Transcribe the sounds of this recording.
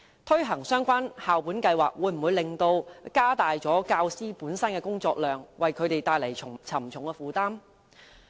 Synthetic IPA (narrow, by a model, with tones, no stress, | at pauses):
t̪ʰɵ˥ɦɐ˨˩ŋsœː˥ŋkʷwaː˥nhaː˨wpuː˨˥nkɐ˧jwa̰ː˨k̚wuː˨˧˥jm̩˨˩wuː˨˧jlɪ˨ŋt̪o˧wkaː˥t̪aː˨jt͡sɔː˨˥kaː˧wsiː˥puː˨˥nsɐ˥nkɛː˧kʊ˥ŋt͡sɔː˧k̚lœː˨ŋwɐ˨jkʰɵ˨˧ɥt̪e˨˩jt̪aː˧jle˨˩jt͡ʃʰʊ˨˩ŋt͡sʰɐ˨˩mt͡sʰʊ˨˩ŋkɛ˧fuː˨t̪aː˥m